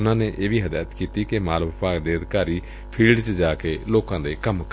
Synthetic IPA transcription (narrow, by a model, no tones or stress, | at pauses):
nãːneːʔeːʋiːɦəd̪aːt̪kiːt̪iːkemaːlʋəpaːkd̪eːəd̪kaːɾiː | pʰiːlɖt͡ʃd͡ʒaːkeːloːkãːd̪eːkəmk